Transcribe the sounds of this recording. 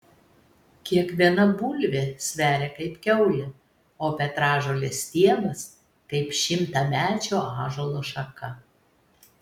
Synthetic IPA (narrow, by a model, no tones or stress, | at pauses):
kʲiɛkʋʲiɛnɐbuːlʲʋʲesʲʋʲæːɾʲeːkɐɪpkʲɛʊlʲɪ | oːpʲɛt̪ɾɑːʒoːlʲɛsʲt̪ʲiɛnɐs | kɐɪpʃʲɪmt̪ɐmʲæːt͡ʃʲoːɑːʒoːlˠoːʃɐkɐ